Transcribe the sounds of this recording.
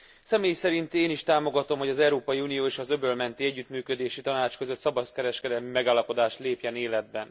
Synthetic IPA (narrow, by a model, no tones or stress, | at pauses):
sɛmeːjsɛɾint̪eːniʃt̪aːmo̞ɡɒt̪o̞mɦo̞ɟɒzɛwɾoːpɒjiuːnijoːeːʃɒzøbølmɛnt̪iɛɟːyt̪myːkø̞d̪eːʃit̪ɒnaːt͡ʃkøzøt̪sɒbɒt̪kɛɾɛʃkɛd̪ɛlmimɛɡaːlːɒpo̞d̪aːʃt̪leːpjɛneːlɛd̪̚bɛn